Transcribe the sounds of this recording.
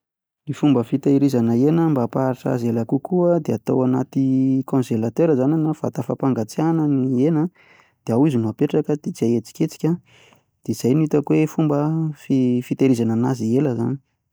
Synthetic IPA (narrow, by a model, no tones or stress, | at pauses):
nifumbəfit̪aiɾizanəenəmbapaɾiʈ͡ʂa̰zelakukuəd̪eat̪o̰wanat̪ikõnzelat̪eɾəzaninafa̰t̪afapaŋɡat͡seanənienə | d̪̥eawizinuapeʈ͡ʂakəd̪̥et͡siajet͡si̥kʲet͡si̥kʲə | d̪̥eiz̥ajnit̪akwefumbəfifit̪aɾizananazieləza̰ni̥